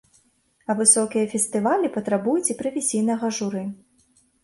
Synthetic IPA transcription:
ɐvɨsɔkʲijɐfʲɛsʲt̪ɨvalʲipɐt̪ɾabujut͡sʲipɾɐvʲisʲijnɐɣɐʐuɾɨ

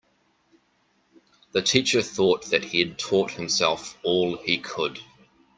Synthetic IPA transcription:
ðətʰiˑt͡ʃəθɔˑt̪̚ðɨt̚hiɨd̚tʰɔˑt̚hɨ̃msɛlˠfɔːlˠikʰəd̥

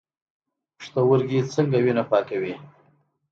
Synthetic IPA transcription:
ʂt̪awəɾɡit͡səŋɡawinapɑkawi

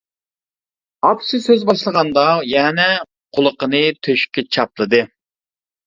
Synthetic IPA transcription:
ɑpsɨsøzbɑʃlˠəʁɑnd̪ɑjɛnɛ | qʰʊlˠəqənɨt̪ʰøʃkʲʰɛt͡ʃʰɑplˠɨd̪ɨ

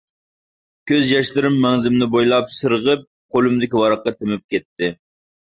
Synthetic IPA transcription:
kʲøzjɑʃlˠɨɾɨmːɛŋzɪmnɪbojlˠɑpsɨɾəʁəp̚ | qʰolˠumd̪ɪkʲiwɑɾɑqːɑt̪ʰemɪp̚kʲɛt̪ʰːɪ

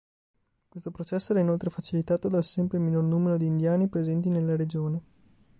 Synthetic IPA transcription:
kwest̪opɾot͡ʃɛsːoɛɾɛinolt̪ɾefat͡ʃilit̪aːt̪od̪alsɛmpɾeminornuːmeɾod̪iːnd̪jaːnipɾezɛnt̪inelːaɾed͡ʒoːne

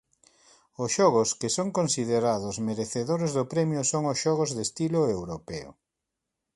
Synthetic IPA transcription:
ʊsʃɔɣʊskesoŋkonsið̞eɾaðʊzmeɾeθeðoɾezðʊpɾɛmjʊsoŋʊsʃɔɣ̞ozðest̪iloewɾopɛo̰

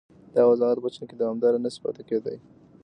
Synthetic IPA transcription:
d̪̥ɑwazɑɣat̪̚bat͡ʃaked̪awamd̪ɑɾanasi̥pɑ̰t̪eked̪aj

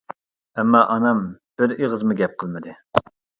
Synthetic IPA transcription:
ɛmːɑʔɑnɑmb̥ɪɾeʁəzmuɡʲɛp̚qʰəlˠmɨd̪ɨ

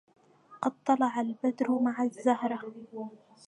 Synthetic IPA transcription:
qɑd̪̚t̪ˤːɑlɑʕalbad̪ɾʊmaʕazːahɾˤɑ

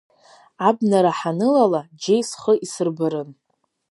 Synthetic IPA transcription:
abnaɾaħanɨlalad͡ʒe̞jsχəʔisɨrbɨɾɨn

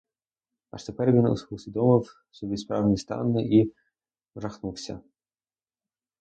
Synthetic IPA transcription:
ɑ̰ʃt̪epɛrʋʲinʊ̰sʊsʲʋʲid̪ɔmɪw | sɔbʲispɾɑwnʲist̪ɑ̰nːɪʔi | ʋrɐxnuwsʲɐ̰

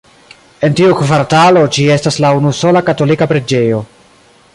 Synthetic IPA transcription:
e̞ntiukvaɾtalo̞d͡ʒie̞staslaunuso̞lakato̞likapɾed͡ʒe̞jo̞

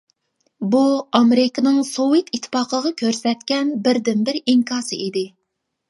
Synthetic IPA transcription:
buɑmeɾɪkɑnɨŋsowet̪ʰit̪ʰːpɑːqʰəʁɑkʲʰøɾsɛt̪̚kʲɛnbɪɾd̪ɪnbɪɾiŋkʰɑːsɨʔid̪ɪ

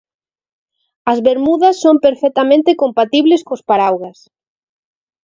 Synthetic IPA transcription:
ɐzβeɾmuðɐsːompeɾfɛk̚t̪amẽnt̪ɪkompat̪iβleskospaɾawɣɐs

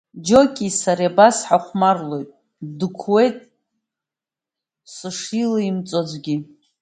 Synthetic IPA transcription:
d͡ʒo̞kʲʼisaɾabasħaχʷmarlo̞jtʼ | dɨkʷʰwe̞jtʼ | sɨʂilaimt͡sʼod͡zʷɡʲi

